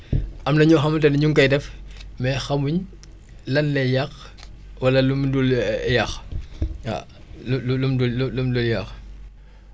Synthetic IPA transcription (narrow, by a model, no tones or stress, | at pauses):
ɐmnɐɲɔːxɐmtɐnɲuŋkɐjdɛfmɛxɐmuɲ | lɐnlɛjɐx | wɐlɐlumduljɐx | a̰ | llumdululumduljɐx